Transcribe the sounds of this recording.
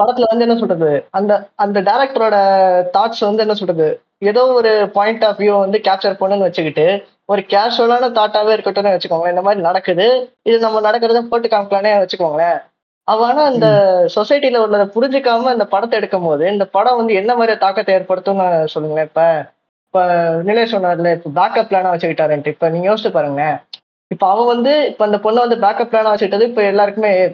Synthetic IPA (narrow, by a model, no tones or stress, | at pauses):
pɐɽɐt̪ːɪlɐʋɐnd̪ɯɛnːɐs̬ɔlrɐðɯɐnd̪ɐɐnd̪ɐɖɐɪɾɛk̚ʈɐɾoːɽɐt̪aːʈsʋɐnd̪ɯɛnːɐsɔlrɐðɯ | ɛðoːɔɾɯpaːjɪɳʈaːfʋjuʋɐnd̪ɯkaːp̚t͡ʃɐɾpoːɳːɯnɯʋɐt͡ʃːɯkːɪʈːɯ | ɔɾɯkaːʂolaːnɯt̪aːʈːaːʋeːɪɾɯkːɐʈːoneʋɐt͡ʃːɯkːʋːɡɐɭɐɪnd̪ɐmaːd̪ɾinɐɽɐkːɯðɯɪðɯnɐmːɐnɐɽɐkːɪɾɐðt̪ãːpoːʈːɯkːaːmɪkːlɐneːʋɐt͡ʃːɯkːʋaːŋɡɐɭɐ | ɐʋaːnaːɪnd̪ɐsɔsɐɪʈːilɐɔɾɯɭaːðɐpʊɾɪɲd͡ʒɯkːaːmɐɪnd̪ɐpɐɽɐt̪ːɛɽɯkːɯmpoːðɯɪnd̪ɐpɐɽɐ̃ʋɐnd̪ɯɛnːɐmaːd̪ɾijt̪aːkːɐt̪ːɐjaːɾpɐɽɯt̪ːũnãsɔlːɯŋɡɐɭɐɪpːɐ | ɪpːonɪlɐjɐsɔnːaːɾɪlɐɪpːobaːkɐpːlaːnaːʋɐt͡ʃːɯkɪʈːaːɾeɳʈːɯɪpːoniːŋɡɐjoːsɪʈːɯpaːɾɯŋɡɐɭɐ | ɪpːoɐʋɐ̃ʋɐnd̪ɯɪpːoːɪnd̪ɐpɔɳːɯʋɐnd̪ɯbaːkɐp̚ːlaːnaːʋɐt͡ʃːɯkɪʈːɐðɯɪpːoɛlːaːɾɯkːɯmeː